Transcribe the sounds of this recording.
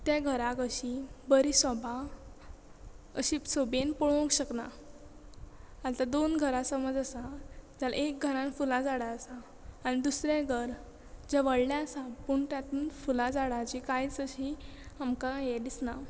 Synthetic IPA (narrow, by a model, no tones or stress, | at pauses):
t̪jaɡʱəɾakəɕibəɾisəbʱa | əɕisobenpɔɭõkɕəkna̰ | at̪ad̪onɡʱəɾasəməd͡zəsad͡ʑala̰ʔek̚ɡʱəɾãnfulad͡zaɽaəsaː | ɽ̃id̪usɾjaɡʱəɾ | d͡ʑaʋəɽljaəsapuɳt̪jat̪uːnfulãd͡zaɽat͡ɕikait͡səɕiamkajed̪isna